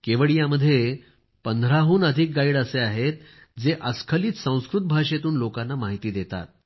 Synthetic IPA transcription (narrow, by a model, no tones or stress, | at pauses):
keʋəɭijãməd̪ʱːje | pənd̪ʱɾaɦuːnəd̪ʱik̚ɡaiɽəseaɦet̪̚ | d͡zeʔəskʰəliːt̪sə̃w̃skɾut̪̚bʱaɕet̪uːnlokanːamaɦit̪iːd̪et̪a̰t̪̚